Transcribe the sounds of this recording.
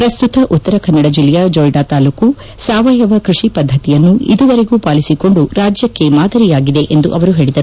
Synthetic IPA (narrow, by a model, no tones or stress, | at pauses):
pɾɐst̪ut̪ɐʔut̪ːɐɾɐkɐnːɐɽɐd͡ʒilːɛjɐd͡ʒoːjɖaːt̪aːluːku | saːʋɐjɐʋɐkɾiʂipɐd̪ʱːɐt̪ijɐnːuʔḭd̪uʋɐɾe̞ɡuːpaːlisiko̞ɳɖuɾaːd͡ʒjɐkːe̞maːd̪ʱɐɾijaːɡid̪e̞ʔend̪uʔɐʋɐɾuɦe̞ːɭid̪ɐɾu